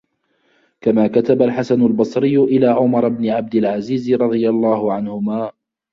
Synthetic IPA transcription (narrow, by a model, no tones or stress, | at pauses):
kamaːkat̪abalħasanʊlbɑsˤɾɪjːʊʔɪlaːʕʊmɑɾˤɑbnɪʕab̚d̪ɪlʕaziːzɾˤɑd̪ˤɨjalˤːɑːhʊʕanhʊmaː